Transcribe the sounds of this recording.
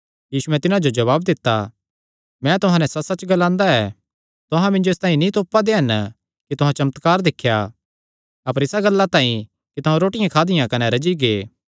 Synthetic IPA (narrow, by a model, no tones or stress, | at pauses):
jiːsuɛ̃t̪ɪnãd͡ʒod͡ʒɐβaːbd̪ɪt̪ːa̰ | mɛ̃t̪ʊɦãnɛsɐsɐt͡ʃɡɐlãːnd̪aɛː | t̪ʊɦãmɪ̃nd͡ʒoeːst̪ãːĩnĩt̪oːpːad̪eɦɐn | kit̪ʊɦãt͡ʃɐmət̪kaːɾd̪ɪkʰːja̰ | ɐpəɾɪsaɡɐlːat̪ãːĩ | kit̪ɐɦãɾoːʈɪjãkʰaːd̪ɪjãkɐnɛɾɐd͡ʒiɡeː